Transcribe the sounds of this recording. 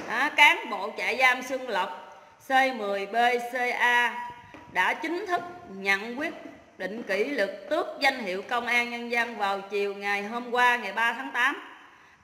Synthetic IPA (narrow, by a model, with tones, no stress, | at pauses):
ʔaː˨˦kaː˨˦ŋɓo̰˧˨t͡ɕa̰ː˧˨jzaː˧msɨ˧əŋlə˨˩wk͡p̚ | sə˧jmɨ˨˩əjɓe˧se˧ʔaː˧ | ɗa̰ː˧˥t͡ɕï˨˦ŋ̟t̪ʰɨ˦˥k̚ɲə̰˧˨nkwi˦˥ət̚ | ɗḭ̈˧˨ŋ̟ki˧˩˥lɨ˨˩k̚t̪ɨ˦˥ək̚za˧jŋ̟hḭ˧˨əwkə˧wŋ͡mʔaː˧nɲə˧nza˧nvaː˨˩wt͡ɕi˨˩əwŋa˨˩jɦo˧mkwaː˧ŋa˨˩jɓaː˧t̪ʰaː˨˦ŋt̪aː˨˦m